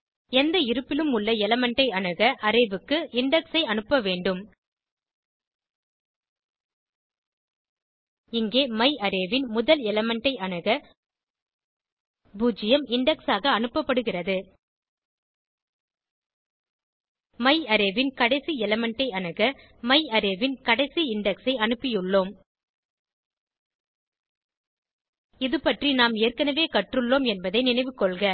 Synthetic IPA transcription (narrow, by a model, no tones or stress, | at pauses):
ɛnd̪ɐɪɾɯpːɪlɯmʊɭːɐɛlɐmɛɳʈɐɪɐɳɯɣɐʔɐɾɐɪʋɯkːɯɪɳɖɛksɐɪɐnɯpːɐʋeːɳɖɯm | ɪŋɡeːmɐɪʔɐɾɐʋɪnmʊðɐlɛlɐmɐɳʈɐɪɐnɯɣɐ | buːd͡ʒɪjɐmɪɳɖɛksaːɣɐːnɯpːɐpːɐɽɯɣɪrɐðɯ | mɐɪɐɾɛʋɪnkɐɽɐɪsiɛlɐmɐɳʈɐɪɐnɐɣɐ | mɐɪɐɾeʋɪnkɐɽɐɪsiɪɳɖɛksɐɪɐnɯpːɪjɯɭːoːm | ɪðɯpɐʈrinaːmeːrkɐnɐʋeːkɐʈrɯɭːoːmɛnbɐðɐɪnɪnɐɪʋɯkːɔɭɣɐ